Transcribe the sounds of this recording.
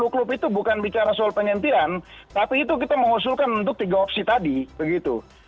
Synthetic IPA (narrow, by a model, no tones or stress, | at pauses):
luklʊpit̪ubukanbit͡ʃaɾasɔalpəɲant̪iant̪apiːt̪uk̬it̪aməŋus̬ʊlkanunt̪ʊk̚t̪iɡaopsit̪adibəɡit̪ṵ